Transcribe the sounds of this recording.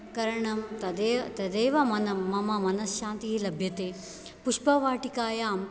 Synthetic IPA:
kɐɾɐɳɐmt̪ɐd̪et̪ɐd̪eːʋɐmɐnɐmɐmɐmɐnɐsʃãːnt̪iɦilɐbʱjɐt̪eː | puʃpɐʋaːʈikaːjaːm

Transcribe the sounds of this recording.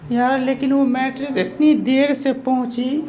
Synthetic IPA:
jaːɾleːkɪnʋomɛːʈɾɪzɪt̪nid̪eːɽsepɐɦʊ̃t͡ʃi

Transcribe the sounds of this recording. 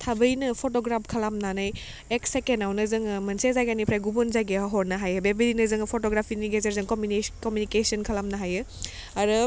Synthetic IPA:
tʰabɐjnɐpʰotoɡɾapʰkʰɐlamnanaj | eksekenawnɐzɯŋmɐnsezajɡanipʰɾajɡubonzajɡeɦɔɾnɐɦajɯbebeɾinɐzɯŋpʰotoɡɾapʰiniɡezeɾzɯŋkomukomjunikesiɐnkʰɐlamnɐɦajɯ | ɐɾɯ

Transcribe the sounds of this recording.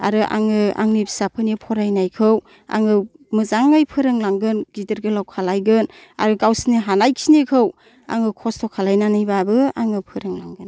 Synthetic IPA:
a̰ɾɯʔa̰ŋɯa̰ŋnibsapʰɯnipʰɔɾajnajkʰɯw | a̰ŋɯ | mɯzaŋɯjpʰɯɾɯŋlaŋɡɯnɡidɯɾɡɯlawkʰalajɡɯn | a̰ɾɯɡawsniɦanajkʰinikʰɯw | a̰ŋɯkʰɔstʰɔkʰalajnanajbabɯaŋɯpʰɯɾɯŋlaŋɡɯn

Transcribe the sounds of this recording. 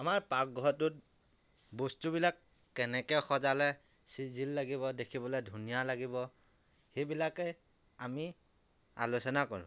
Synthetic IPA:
amaɹpak̚ɡʱɔtʊt̚ | bostubilakː | ɛnɛkɛxɔzalɛ | sizʱilːaɡibɔdekʰibɔlɛjdʱunijalaɡibɔ | xejbilakɛ | ami | a̰lusɔnakɔɹʊ̰̃

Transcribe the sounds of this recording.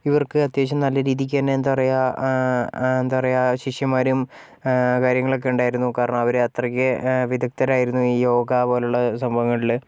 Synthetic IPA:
iʋɐrkɨɐt̪jeːt͡ɕːɐmnɐlːɐɾiːðik̬ʲːaːneend̪ɐpɐrɐja | end̪upɐrɐjaɕiʂjɐmaːɾum | kaːɾjɐŋːɐɭo̞k̬ːe̞uɳɖaːjiɾunːukaːɾɐɳɐmɐʋɐɾeɐt̪rɐkʲːɨʋid̪ʱɐk̚t̪ɐɾaːjiɾunːuiːjo̞ːɡapo̞ːleuɭːɐsɐmbʱɐʋɐŋːɐɭil

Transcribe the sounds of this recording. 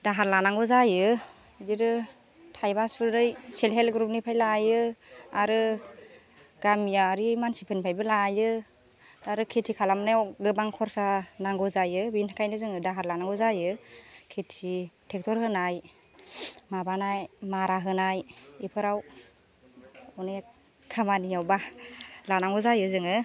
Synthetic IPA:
daɦaɾlanaŋɡɔzajɯ | diɾɯ | tʰajbasudɯjselɦelɡɾup̚nipʰajlajɯaɾɯ | ɡ̥amijaɾimansipʰɯnipʰajbɯlajɯ | daɾɯkʰetʰikʰalamnajwɡɯbaŋkʰɔɾsanaŋɡɔzajɯbinhḁkʰajnɯzɯŋɯdaɦaɾlanaŋɡɔzajɯkʰetʰitʰek̚tʰɔɾhɯnaj | mabanajmaɾaɦɯnajipʰɯɾaw | ɔne | kʰamanijawbalanaŋɡɔzajɯzɯŋɯ

